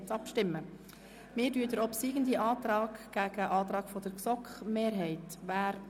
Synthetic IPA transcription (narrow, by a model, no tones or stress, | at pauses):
t͡sɑpʃtɪmːə | mɪːdyːədəɾɔpsiːɡəndiʔɑːtɾɑːkɡ̥æɡ̥əʔɑːt̪ɾɑːkfɔd̥əɾksɔkχmeːɾɦɛɪtʋæːɾ